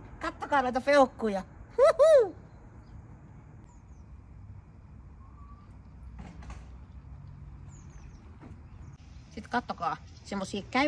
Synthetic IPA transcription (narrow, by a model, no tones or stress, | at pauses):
kɑt̪ːokɑːnoˑit̪ɑfeokːuːjɑhu | sit̪kɑt̪ːokɑː | semːosiːkæ